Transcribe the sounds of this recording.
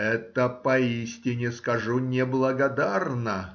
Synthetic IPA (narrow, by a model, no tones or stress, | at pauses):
ɛt̪əpɐisʲtʲɪnʲɪskɐʐunʲɪblˠəɡɐd̪arnə